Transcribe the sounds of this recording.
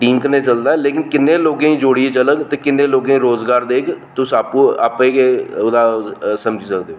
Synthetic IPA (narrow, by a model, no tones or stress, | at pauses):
ʈiːŋkneːt͡ʃəld̪aːɛleːkɪnkɪnːeːloːɡẽːĩːd͡ʒoːɽiːeːt͡ʃələɡt̪eːkɪnːẽːloːɡẽĩɾoːzɡaːɾd̪eːkʰt̪ʊsaːpũːaːpẽːkeʊd̪aːsəmd͡ʒiːsəkd̪eːoː